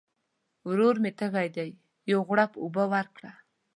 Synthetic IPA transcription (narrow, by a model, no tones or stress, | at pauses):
wɾoɾmet̪əɣajd̪aj | jowɣɽapubəwaɾkɽa